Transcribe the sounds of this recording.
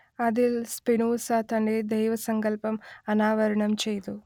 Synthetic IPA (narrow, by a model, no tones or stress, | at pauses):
ɐd̪ilspinuːsaːt̪ɐɳɖid̪ɐjʋɐsɐŋkɐlpɐmɐnaːʋɐɾɐɳɐmt͡ʃejd̪u